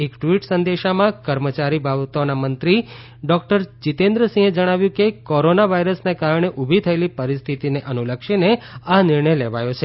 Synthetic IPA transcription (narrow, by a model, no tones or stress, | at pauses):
ekʈʋiʈsənd̪eʃamãkəɾmət͡ʃaɾibʱabt̪onamənt̪ɾi | ɖɔk̚ʈəɾt͡ʃit̪end̪ɾəsĩɦed͡ʒəɽ̃aʋjũkekoɾonaʋaiɾəsnekaɾɳeʔubʱit̪ʰəelipəɾist̪ʰit̪ineʔənuləkʃineanɪɾɳəjleʋajot͡ʃʰe